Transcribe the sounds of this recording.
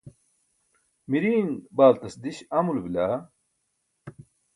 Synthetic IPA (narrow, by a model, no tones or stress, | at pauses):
miɾiːnbaːlt̪ɐsd̪iɕɐmulbilaː